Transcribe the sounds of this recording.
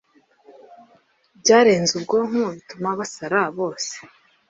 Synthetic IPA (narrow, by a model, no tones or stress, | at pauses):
bɟaːɾe̞ːnzubɡo̞ŋuβitumaβasaɾaβo̞ːse̥